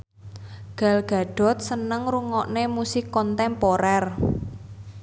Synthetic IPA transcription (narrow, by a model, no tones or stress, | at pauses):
ɡ̥a̤lɡ̥ä̤ɖ̥ɔ̤t̪̚sənəŋɾuŋɔʔnemusɪkːɔnt̪ɛmpoɾɛr